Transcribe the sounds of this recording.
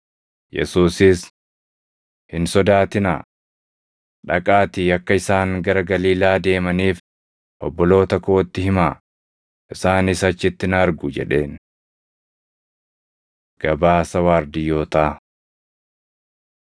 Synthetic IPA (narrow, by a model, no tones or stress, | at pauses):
jɛ̰suːsɪs | hɪnsɔd̪aːt̪ɪna̰ː | ᶑɐkʼaːt̪iːɐkːɐɪsaːŋɡɐɾɐɡɐliːlaːd̪e̞ːmɐniːf | ʔɔbːɔlo̞ːt̪ɐkoːt̪ːɪhɪmaː | ʔɪsaːnɪsɐt͡ʃːɪt̪ːɪnɐɾɡʊd͡ʒɛ̰ᶑe̞ːn | ɡ̥ɐbaːsɐwaːɾd̪ɪjːo̞ːt̪aː